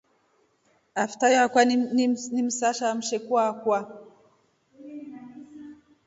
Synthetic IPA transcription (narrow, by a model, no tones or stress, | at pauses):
aftajɔakwannim̩saʃam̩ʃɛkwakwa